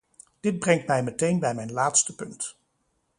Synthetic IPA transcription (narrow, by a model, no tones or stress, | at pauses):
d̥ɪd̚brɛŋtmɛjmətejnbɛjmɛjnlaːtstəpɵnt